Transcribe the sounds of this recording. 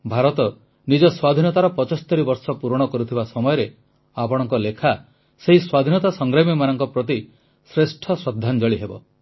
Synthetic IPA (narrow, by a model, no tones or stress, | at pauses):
bʱaɾɔt̪ɔ | nid͡ʒɔswad̪ʱinɔt̪aɾɔpɔt͡ʃɔst̪ɔɾibɔɾsɔpuɾɔɽ̃ɔkɔɾut̪ʰibasɔmɔjɔɾe | apɔɽ̃ɔŋkɔlekʰa | seɦiswad̪ʱinɔt̪asɔŋɡɾamimanɔŋkɔpɾɔt̪̬i | sɾesʈʰɔsɔd̪ʱːand͡ʒɔɭiɦebɔ̰